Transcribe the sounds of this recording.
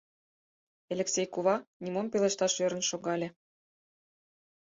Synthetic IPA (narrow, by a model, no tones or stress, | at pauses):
elʲĕksʲejkuβɑnimompelĕʃt̪ɑʃøɾə̆nʃoɣɑlʲĕ